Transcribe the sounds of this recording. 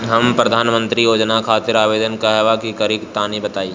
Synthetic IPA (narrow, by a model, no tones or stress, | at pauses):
ɦɐmpɾɐd̪ʱaːnmə̃nt̪ɾijoːd͡ʒnakʰaːt̪ɪɾaːʋeːd̪ənkaɦɛʋakikɐɾikt̪aːnibɐt̪aːi